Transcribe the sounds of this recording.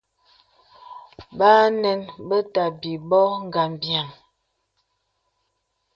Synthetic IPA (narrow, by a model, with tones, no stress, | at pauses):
baː˦nɛ˨nbə˦ta˨bi˨bɔ˦ŋ̩˦˨ɡa˨m˨bja˨ŋ